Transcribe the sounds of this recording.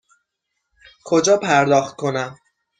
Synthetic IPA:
kʰo̞d͡ʒɒːpʰæɾd̪ɒːχt̪̚kʰo̞næm

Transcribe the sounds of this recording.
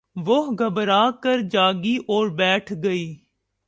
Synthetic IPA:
ʋoɦɡʱəbɾaːkəɾd͡ʒaːɡiːʔoːɾbɛːʈʰɡəiː

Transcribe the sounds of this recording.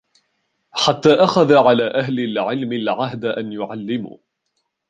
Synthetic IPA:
ħat̪ːaːʔaxaðaʕalaːʔaɦlɪlʕɪlmɪlʕaɦd̪ʔanjʊʕalːɪmṵː

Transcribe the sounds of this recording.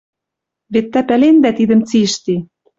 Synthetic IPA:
βet̪ːæpælend̪æt̪id̪ə̆mt͡siʃt̪i

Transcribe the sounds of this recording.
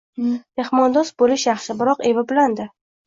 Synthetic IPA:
me̞hmɒnd̪ɒsbolɪʃjɑχʃɪbɪɾɒqevɪbɪland̪ɪ

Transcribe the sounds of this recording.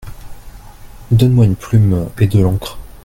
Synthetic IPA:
d̪ɔnmwaynplymed̪əlɑ̃kχ

